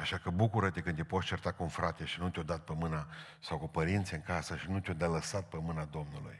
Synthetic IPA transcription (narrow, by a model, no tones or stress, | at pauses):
aʃakəbukuɾət̪ekɨnepo̞t̪t͡ʃert̪akuunfɾat̪eʃinut̪ʲod̪at̪̚pemɨna | sawkupəɾint̪siɨŋkasəʃinut̪ʲod̪aləsat̪̚pemɨnad̪o̞mnulṵj